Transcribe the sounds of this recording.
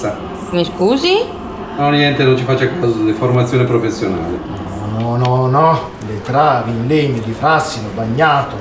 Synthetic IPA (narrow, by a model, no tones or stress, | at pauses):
a | miskuːzi | nɔnjɛnt̪enõnt͡ʃifat͡ʃːakːazod̪ɪformat̪sːjoːnepɾofesːjona̰ːlɪn | ɔnɔnɔnɔ | lɪt̪ɾaːvinleɲːɪd̪ifɾasːinobaɲːaːt̪ʊ